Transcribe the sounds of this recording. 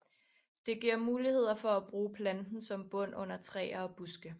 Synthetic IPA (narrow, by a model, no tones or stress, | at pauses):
d̥e̝ɡ̥iɐ̰muːlihe̝ð̞̰ˠɐfɒ̽æb̥ʁuːpʰlænd̥n̩sɒ̽mb̥ɔ̽n̰ɔ̽n̰ɐt͡sʰʁɛ̰ːɐɒb̥usɡ̥ə